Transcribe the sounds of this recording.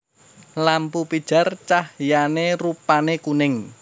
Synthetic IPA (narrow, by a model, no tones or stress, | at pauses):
lampupid̥ʒ̥a̤rt͡ʃahjanerupanekunɪŋ